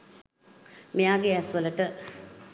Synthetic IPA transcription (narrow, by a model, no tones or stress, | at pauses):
mijaːɡeæsʋələʈə